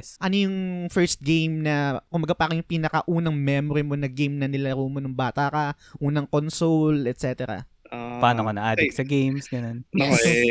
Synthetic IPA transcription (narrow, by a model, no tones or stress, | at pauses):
sʔɐnojʊŋfɛɹst̪̚ɡejmnɐkʊmbɐɡapɐakɪŋjʊŋpiːnɐkɐʔuːnɐŋmɛmoɾɪmo̞nɐɡejmnɐnɪlaɾuːmonʊŋbaːt̪akɐ | ʔuːnɐŋkonsolɛt̪sɛːt̪ɛɾɐ̰ | paːnokɐnɐʔa̰ːd̪ɛksɐɡejmsɡɐnon